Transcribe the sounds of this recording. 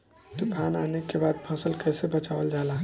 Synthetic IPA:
t̪ɔbʱananekːebad̪̚pʰə̃səlkəjsebət͡ʃaʋəld͡ʒalã

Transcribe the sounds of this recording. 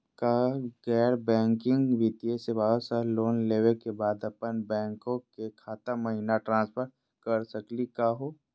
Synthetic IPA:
kaɡɛːɾbɛ̃ːŋkɪ̃ŋɡʋit̪iesebaːsaloːnleːʋekebaːd̪ɐpənbɛ̃ːŋkõkekʰaːt̪amɐɦinaʈɾãːnspʰəɾ | kɐɾsəklikaːɦoː

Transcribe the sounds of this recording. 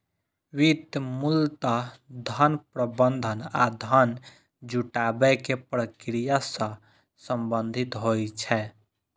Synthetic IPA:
wid̪mult̪ad̪ʱənpɾəbənd̪ʱənad̪ʱən | d͡ʒuʈabɛkepɾəkɾijasə̃ | səmbənd̪ʱit̪ɦojt͡ʃʰɛ

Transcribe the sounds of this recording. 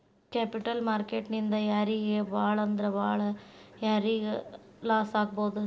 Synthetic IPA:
kepɪʈɐlmaːɾkeʈnind̪ɐjaːɾiɣeʋaːɭɐnd̪ɪɾɐʋaːɭjaɾiɐlaːsaːk̚poːðɯ

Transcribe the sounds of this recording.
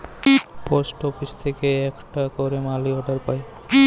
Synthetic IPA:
posʈɔfist̪ʰekeɛkʈakɔɾemaliɔɖaɾpaj

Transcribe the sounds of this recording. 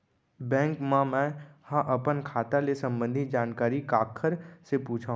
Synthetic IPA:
bɛ̃ːŋkmãmɛ̃hãʔɐpənkʰaːt̪alesə̃mbə̃nd̪ʱid͡ʒaːnkaːɾikaːkʰːəɾsepuːt͡ʃʰaɦũ

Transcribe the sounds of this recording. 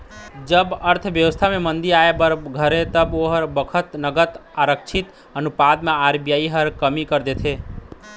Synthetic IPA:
d͡ʒəbəɾt̪ʰʋjəʋəst̪ʰamẽmənd̪iaebəɾɡʱəɾet̪əboɦəɾbəkʰət̪nəɡət̪aɾəkt͡ʃʰit̪ | ənupad̪mẽaɾbijaiɦəɾkəmikəɾd̪et̪ʰe

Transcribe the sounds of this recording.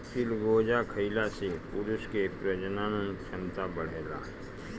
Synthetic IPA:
pʰɪlɡoːd͡ʒakʰəɪlasepʊɾʊskepɾəd͡ʒnaːnənʃɐ̃nt̪abəɽ̤eɾa̰ː

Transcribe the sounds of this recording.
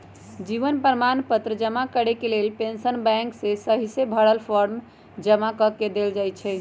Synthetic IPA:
d͡ʒiʋənpɾəmanpət̪ɾəd͡ʒəmakəɽekelelpensənbɛ̃ŋksesəɦisebʱəɽəlpʰɔɾm | d͡ʒəmakəked̪eld͡ʒajt͡ʃʰɛ

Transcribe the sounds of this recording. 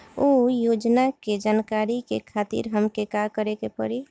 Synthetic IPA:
ojod͡ʒnaked͡ʒankaɾikekʰaːt̪ḭɾɦəmkekakəɾekepə̰ɾi

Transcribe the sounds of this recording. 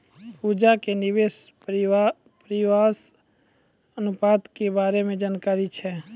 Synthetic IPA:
ud͡ʒakenɪʋeːs | pəɾɪwaːs | ənʊpaːd̪kebaːɾemẽd͡ʒaːnkaːɾit͡ʃʰɛː

